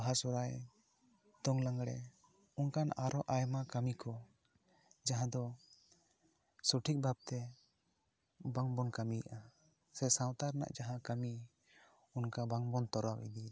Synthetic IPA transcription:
aɦasɔɾaj | d̪̥ɔŋlaŋɡɽɛ̰ | unkanaɾʔɔʔajmakamikɔ | d͡ʒaɦãd̪ɔ | suʈʰik̚bab̚t̪ɛ | baŋbɔnkamijʔa | sɛsãwt̪aɾna̰ʔd͡ʒaɦãkami | unkabaŋbɔnt̪ɔɾawʔḭd̪i

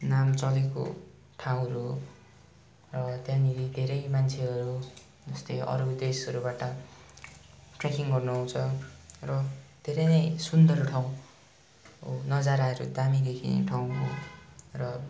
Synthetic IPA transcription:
namt͡sʌleko̰ | ʈʰaw̃ɾu | rʌt̪jãniɾid̪ʱeɾʌjmant͡sʰeɦʌɾu | d͡zʌst̪eʌ̰ɾud̪esʌɾubaʈʌ | ʈrakiŋɡʌrnuɦũt͡sʰʌrʌd̪ʱeɾʌjnʌjsund̪ʱʌɾʈʰaw̃ | nʌd͡zaɾaɾṵd̪amid̪ekʰinḛʈʰaw̃ɦo̰rʌ

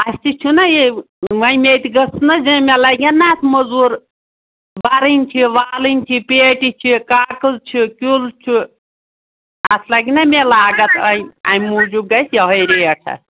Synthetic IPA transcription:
ɐsʲt̪it͡ʃʰunɐje | mɐmet̪iɡɐsnɐzemʲelɐɡʲɐnːat̪ʰmɐzuːɾ | bɐɾɨnʲt͡ʃʰiʋaːlɨnʲt͡ʃʰipeːʈit͡ʃʰikaːkɨlt͡ʃʰikʲult͡ʃʰu | ɐt̪ʰlɐɡinɐmelaːɡɐt̪ʰɐjiɐmuːd͡ʒuɡɐsjɐɦojɾejɐʈʰɐ̰

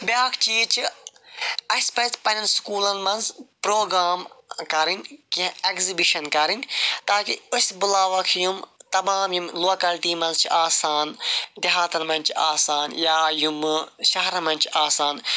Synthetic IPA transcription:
bʲjaːkʰt͡ʃiːt͡ʃʰi | ɐspɐspɐnɐlskuːlɐnmɐ̃nzpɾoːɡɾaːmkɐɾinkĩekzibiʃɐnkɐɾint̪aːkiʊsbʊlaːʋɐkʰjumt̪ɐmaːmjumloːkɐlʈiːmɐ̃nzt͡ʃʰiaːsaːnd̪ɐɦaːt̪ɐnmɐ̃nt͡ʃʰiaːsaːnjaːjumʃɐɦɾɐmɐ̃nt͡ʃʰiaːsaːn

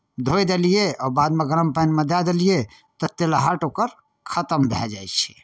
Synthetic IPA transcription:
d̪ʱojd̪elijeɔbad̪meɡəɾəmpəjnmed̪ad̪elije | t̪ɔt̪elaɦaʈokəɾ | kʰət̪əmbʱɛ̰d͡ʒajt͡ʃʰi̥

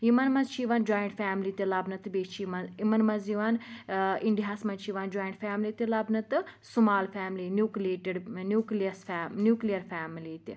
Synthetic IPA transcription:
jimɐnmɐnzt͡ʃʰiʋaːnd͡ʒoːjɪ̃ɳʈfʰɛːmlit̪ilɐbnɨt̪beːt͡ʃʰimɐimɐnmɐnziʋaniɳɖiɦaːsmɐnt͡ʃʰiːʋaːnd͡ʒoːɪɳʈfʰɛːmlit̪elɐbnɨt̪ɨsumaːlfʰɛːmlinjuːklieːʈeɖnjuːkliəsnjuːklijəɾpʰɛːmliːt̪i

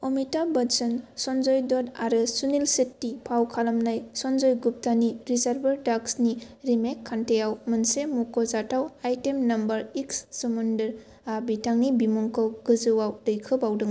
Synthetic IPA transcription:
omitabɐnsɯnsɔnzɔjdɔdaɾɯsunilsetːipʰawkʰalamnajsɔnzɔjɡup̚taniɾizaɾbɐɾdaksniɾimekʰːantejawmɯnsemukɔzatawajtemnɐmbɐɾiksːɯmundɯɾ | abitaŋnibimɔŋkɔwɡɯzɯwawdɯjkʰɯbawdɯŋ

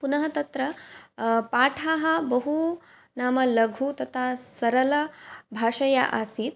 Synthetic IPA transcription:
punɐɦɐt̪ɐt̪ɾɐ | paːʈʰaːɦɐ̆bɐɦu | naːmɐlɐɡʱut̪ɐt̪ʰaːsɐɾɐlɐbʱaːʂɐja̰ʔaːsiːt̪̚

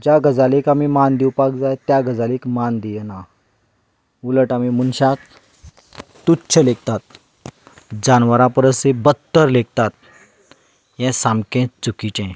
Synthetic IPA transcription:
d͡ʑjaɡəd͡zalikamimand̪iwpak̚d͡zajt̪jaɡəd͡zalikmand̪ijɛna | uləʈamimunɕak | t̪utːɕʰəlek̚t̪at̪̚ | d͡ʑanʋəɾãpəɾəsebət̪ːəɾlek̚t̪at̪̚ | jɛ̃samkɛ̃t͡sukit͡ɕɛ̃

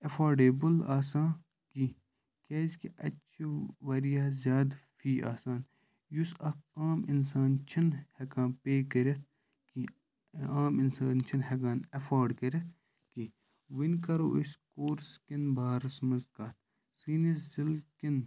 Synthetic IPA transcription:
ɐfaːɾɖeːbɐlaːsãː | ki | keːzkiʔɐt͡ʃʰiʋɐɾijaːzʲjaːd̪fʰiːʔa̰ːsaːn | jusɐkʰaːminsaːnt͡ʃʰɐnhɐkãːnpeːkɐɾɐt̪̚ʰ | ki | aːminsaːnt͡ʃʰɐnɦekaːnɐfʰaːɾɖkɐɾʲɐt̪ʰ | ki | ʋinkɐɾo̰ːʔiskoːɾskinbʱaːɾɐsmɐzkaːt̪̚ʰ | siːniszilkin

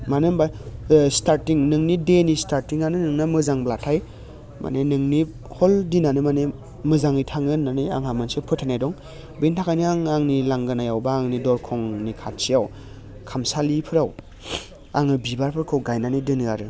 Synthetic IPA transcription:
manɯmbastaɾtiŋnɯŋnidenistʰaɾtiŋanɯnɯŋnamɯzaŋblatʰaj | ma̰nenɯŋni | hɔldinanɯmane | mɯzaŋɯjtʰaŋɯnːania̰ŋɦhamɯnsɯpʰɯtʰanajdɔŋ | bintʰakʰajniaŋaŋnilaŋɡanajawbaːŋnidɔɾkʰɔŋnikʰat̚sijaw | kʰamsalipʰɯɾaw | a̰ŋɯbibaɾpʰɯɾkʰɯwɡajnanidɯnɯaɾɯ

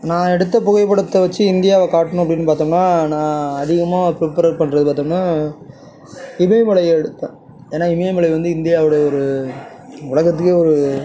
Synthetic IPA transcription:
nãːɛɽɯt̪ːɐpɔɣɐɪpːɐɽɯt̪ːɐʋɐt͡ʃːɯɪnd̪ɪjaːʋɐkaːʈːɐɳʊ̃ɐpːɐɽɪnːɯpaːɾt̪ũːŋɐnːaːnãːɐðɪɣɐmaːpɾɪpɐɾɐɾpɐɳːɾɐðɯpaːɾt̪ũːŋɐnːaː | ɪmeːmɐɭɐjɐɛɽɯt̪ːẽː | eːnːaːɪmeːmɐɭɐʋɐnd̪ɯɪnd̪ɪjaːʋɪɽɐjɐɔɾɯ | ʊɭɐɣɐt̪̬ːɯkːeɔɾɯ

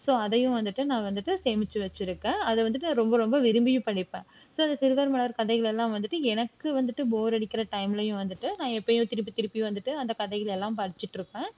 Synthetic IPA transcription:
soːɐðɐjʊ̃ʋɐnd̪ɯʈːɯnãːʋɐnd̪ɯʈːɯseːmɪt͡ʃːɯʋɐt͡ʃːɪɾɯkːẽːɐðɛʋɐnd̪ɯʈːɯnãːɾɔmbɐɾɔmbɐʋɪɾɯmbɪjʊ̃pɐɽɪpːẽː | soːɐnd̪ɐt̪ɪɾɯʋɐɾmɐɭɐɾkɐðɐɪɣɐɭɛlːãːʋɐnd̪ɯʈːɯɛnɐkːɯʋɐnd̪ɯʈːɯboːɾɐɽɪkːɪɾɐʈɐɪmlɐjʊ̃ʋɐnd̪ɯʈːɯnãːɛpːɐjʊ̃t̪ɪɾɯp̬ːit̪ɪɾɯpːɪjʊ̃ʋɐnd̪ɯʈːɯɐnd̪ɐkɐðɐɪɣɐɭɛlːãːpɐɽɪt͡ʃːɪʈːɾɯpːẽː

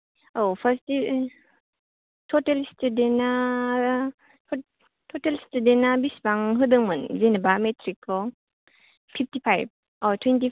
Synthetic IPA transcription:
owpʰaɾsti | tʰotelstudenːa | tʰotelstudenːabisbaŋɦɯdɯŋmɐnzenɐbametʰɾikʰːɔ | pʰip̚ʰtipʰajb̚ | ɔtʰwenti

